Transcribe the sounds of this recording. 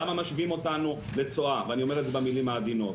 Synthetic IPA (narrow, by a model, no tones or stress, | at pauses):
amamaʃviimo̞tanu | le̞t͡so̞aveanio̞me̞etzebemilimhaːd̪ino̞t